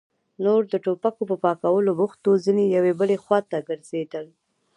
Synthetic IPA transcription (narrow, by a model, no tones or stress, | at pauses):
noɾd̪əʈopakopəpɑkawəlobʊxt̪ozinejawebəlexwat̪aɡəɾz̥ed̪əl